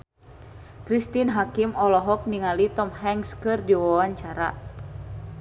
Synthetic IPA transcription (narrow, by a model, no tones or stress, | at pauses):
kɾist̪inɦakimɔlɔɦɔk̚niŋalit̪ɔmɦɛŋskɨrdiwawaɲt͡ʃaɾa̰